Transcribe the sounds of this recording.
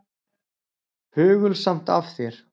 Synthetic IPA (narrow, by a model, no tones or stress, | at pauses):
hʏːɣʏlsam̥t̪afθjɛɾ̥